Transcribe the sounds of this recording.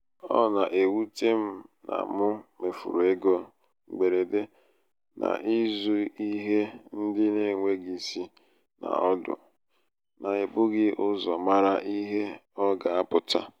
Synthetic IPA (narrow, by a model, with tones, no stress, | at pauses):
ɔ̰˦na˨ʔe˨wu˦te˦m̩˦na̰˨mʊ˦me˨fṵ˨ɾe˦ɡo˦˨ | ɡ͡be˨ɾe˨de˦ | nʔa̰˨ʔi˦zu˦i˦ɦe˦n̩˦dɪ˦ne˦˨ŋʷe˦ɡi˨si˦ | na̰˨ɔ˦dʊ̰˨ | na˨ɪ˨bʊ˦ɡɪ˦ʔʊ˦zɔ˨ma˦ɾa˦ʔi˦ɦe˦ɔ˦ɡa˨a˦pʊ˨ta˦